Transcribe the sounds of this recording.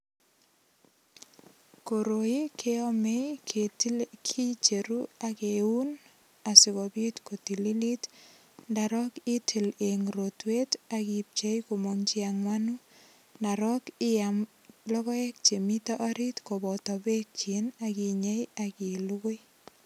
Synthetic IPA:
ko˨ɾo˨ji˦kʰe˦ɔ˦me˦jkʰe˨tkʰi˦t͡ʃe˨ɾu˦akeu˦n | a˨sɪ˨kɔbi˦tko˨ti˨li˦li˦t | nda˨ɾɔ˦ki˦tʰi˨le˨ŋɾotwe˦ta˨kip̚t͡ʃe˦jko˨mɔŋt͡ʃi˦a˨ŋwa˦nu | na˨ɾɔ˦kɪ˦jam | lɔ˦ɣɔ˦e˦k̚t͡ʃe˨mi˦tɔ˦ʔa˦ɾi˦tko˨bɔ˨tɔ˨be˦k̚t͡ʃi˨na˨ki˨ɲe˦jaki˨lu˦ko˦j

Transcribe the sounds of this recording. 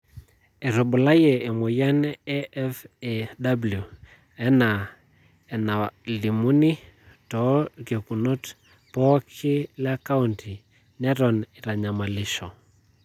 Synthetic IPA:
ɛ˨ɾɔ˨ɓu˨la˦jɛ˨e˨mo˨jɛ˦nɛ˦ɛ˦feda˦bulju˨ | ɛ˦na˨ | ɛ˨na˨li˨mu˦ni˦tɔ˨ke˨ku˨no˦t | pɔ˦kʰi˦la˦ka˦untʰi˨ | nɛ˦ɾɔ˨ni˨ɾa˨ɲa˨ma˨lɪ˦ʃɔ˨

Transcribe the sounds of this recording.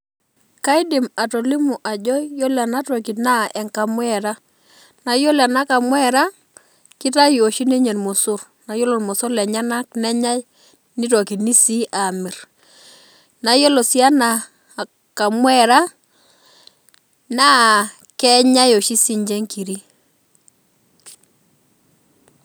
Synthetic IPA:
ka˦i˦di˨ma˨to˨li˦mu˨ʔa˨d͡ʒɔ˦jo˦la˨na˦to˨ki˨tna˦ʔɛ˨ŋka˨mwɛ˦˨ɾa˦ | na˨jo˦la˨na˦ka˨mwɛ˦ɾa˦ | ki˦ta˦jo˨ʃi˦ne˦ɲe˨nmo˨sʊ˦r | na˨jo˦lo˨nmɔ˨sɔ˦lɛ˨ɲa˦na˦knɛ˦ɲa˦j | ni˦tɔ˨ki˨tni˦si˦a˨mɪ˨r | na˨jo˦lo˨sja˦na˨ | ka˨mwɛ˦ɾa˦ | na˦ | kɛ˦ɲa˦jo˨ʃi˦si˦ɲd͡ʒɛ˦ŋki˨ɾi˦

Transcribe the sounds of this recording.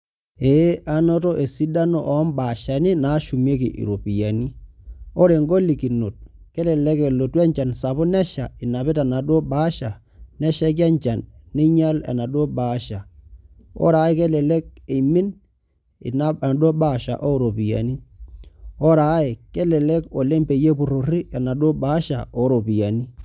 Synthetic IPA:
e˨˦a˦no˦to˦ʔe˨si˦da˦no˨ʔɔ˨˦mba˨ʃa˨nɪ˦na˨˦ʃu˨me˦kḭ˨ʔḭ˨ɾo˨pi˨ja̰˨ni˦o˦ɾe˨ŋɡo˦li˨ki˨no̰˨t̚ke˦lɛ˨lɛ˦ke˨lo˨twɛ˦ɲt͡ʃa˨nsa˨βʊ˦nɛ˦ʃa˨ɪ˨na˨pɪ˦ta˨na˨do˦baː˦ʃa˨ | nɛ˦ʃa˦k̬a˦ɲt͡ʃa˨nːe˦ɲa˦la̰˨na˨do˦ba˨˦ʃa˨ | ɔ̰˦ɾa˨˦ɪ˦ke˦lɛ˨le˦k̚e˨mɪ˦n | ɪ̰˨na˦˨do˦ba˦˨ʃa̰˨ʔo˦ɾo˨pi˨ja̰˨ni˦ | ɔ˦ɾa˨˦ɪ˨ke˦lɛ˨lɛ˦ko˨le˦mpe˨je˦pʊ˨ɾo˨ri˦a˨na˨do˦baː˨˦ʃa˨o˦ɾo˨pi˨ja˨ni˦

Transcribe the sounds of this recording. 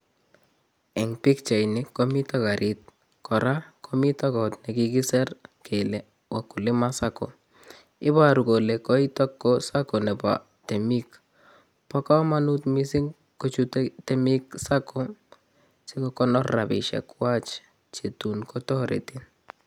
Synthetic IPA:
ɛ˨ŋpi˦kt͡ʃa˨jnɪ˦kːɔ˦mi˦tɔ˦ka˨ɾʔi˦t̪̚ | kɔ˨ɾa˦kʰɔ˦mi˦ta˦kɔ˨tnɛ˨ki˦ki˦sɛ˦rkʰe˨lɛ˨ | wa˨kːʊ˨lɪ˦ma˦sa˦kɔ̰˨ | ɪ˦ba˦ɾu˨ɡo˨le˨kɔ˦i˦tɔ˦kːɔ˦sa˦kɔ˨nɛ˨ba̰˨ | tɛ˨mi˦k | pɔ˦kɔ˦ma˦nu˦tmi˦si˦ŋ | ko˦t͡ʃuttɛ˦mi˦ksa˦kɔ˦ | si˦kɔkɔ˦nɔ˦ɾa̰˨bɪ̰˨ʃɛ̰˨kwa˦t͡ʃ | t͡ʃe˨tu˨nkʰɔ˦tɔ˦ɾḛ˨ti˦n

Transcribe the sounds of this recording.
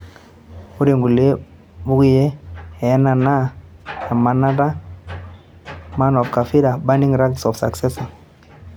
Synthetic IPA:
u˦ɾe˨ŋɡu˨le˦ | bu˦ki˦je˦ɛ˨ɛ˦na˨na˦a˨ma˨na˦da˦ | ma˦nɔ˨fka˨fi˦ɾa˨ba˦ndi˦ŋɾa˦ksɔ˨fsa̰˨ksɛ˦sa˨

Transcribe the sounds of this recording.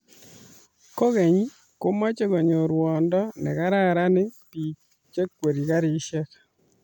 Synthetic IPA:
ko˦ɣɛ˨ɲi˦ | ko˦ma˦t͡ʃe˦ɡo˨ɲo˨ɾwɔ˨ndɔ˦nɛ̰˨ka˦ɾa˦˨ɾa˦nɪ˦pi˨ | t͡ʃe˦kːwe˨ɾi˨ka˦ɾɪ˨˦ʃɛ˦k

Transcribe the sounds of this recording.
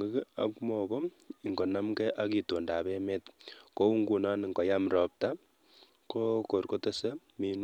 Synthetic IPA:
ŋɡo˦ka̰˦kmɔ˨ko˦˨ | ŋɡo˨na˦mkɛ˦ʔa˦ki˨to˨nda˨be˦me˦tko˦u˦ŋɡu˨na˦nŋɡo˨ja˦mɾɔp̚ta˦ | ko˦ko˨ɾko˦te˦se˦mi˦n˦

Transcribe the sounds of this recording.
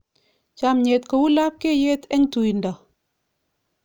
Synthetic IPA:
t͡ʃa˨mɲe˨tka˨wu˦la˦p̚ke˦je˦tɛ˦ŋtu˨ji˨nda˨

